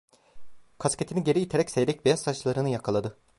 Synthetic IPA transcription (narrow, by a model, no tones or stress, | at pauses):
kʰasce̞t̪ʰiniɟe̞ɾiit̪ʰeɾɛcsejd̪ʲɛcvejast̪at͡ʃlˠaɾɯnɯjakʰalˠad̪ɯ